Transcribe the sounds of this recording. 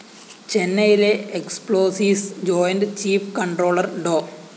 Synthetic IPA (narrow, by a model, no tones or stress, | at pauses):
t͡ɕenːɐjileekspɭoːsiːsd͡ʑoːjɐndɨt͡ɕiːfkɐɳɖro̞ːɭɐrɖoː